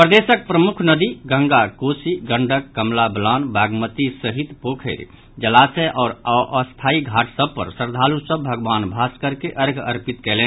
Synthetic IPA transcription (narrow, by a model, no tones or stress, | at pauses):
pɾəd̪esək̚pɾəmukʰnəd̪iɡə̃ŋɡakosiɡəɳɖʱəkːəmlablanbaɡmət̪isəɦit̪pokʰəɾ | d͡ʒəlasɛʔɔːɾʔəst̪ʰaiɡʱaʈʰsəb̚pə̰ɾsəɾd̪ʱalusəbbʱəɡʋanbʱaskəɾkeʔəɾɡʱə̰ɾpit̪kɛlɛ̃n